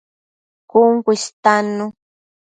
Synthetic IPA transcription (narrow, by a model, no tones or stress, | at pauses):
kʊŋkʷist̪anʊ